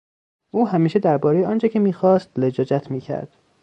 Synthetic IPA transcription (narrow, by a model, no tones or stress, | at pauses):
ʔuːɦæmiːʃed̪æɾbɒːɾejeɒːnt͡ʃʰecʰemiːxɒːst̪led͡ʒɒːd͡ʒæt̪ʰmiːcʰæ̰ɾd̪̥